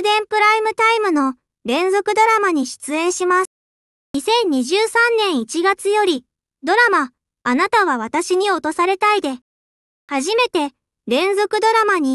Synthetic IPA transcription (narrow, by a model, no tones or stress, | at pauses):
d̪ẽ̞mpɯ̟ɾaimɯ̟t̪aimɯ̟no̞ | ɾẽ̞nzo̞kɯ̟d̪o̞ɾamaɲ̟iɕi̥t͡sɨẽ̞ɰ̃ɕimḁ | ɲisẽ̞ɲ̟ːiʑɨːsãnːẽ̞ɰ̃it͡ɕiɡat͡sɨjo̞ɾʲi | d̪o̞ɾamaː | nat̪aβ̞aβ̞at̪aɕiɲ̟io̞t̪o̞saɾe̞t̪aid̪e̞ | haʑime̞t̪e̞ | ɾẽ̞nzo̞kɯ̟d̪o̞ɾamaɲ̟i